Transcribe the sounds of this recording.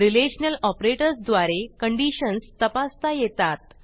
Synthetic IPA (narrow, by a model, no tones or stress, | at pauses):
ɾileɕənəlɔpɾeʈəɾsd̪ʋaɾekəɳɖiɕənst̪əpast̪ajet̪at̪̚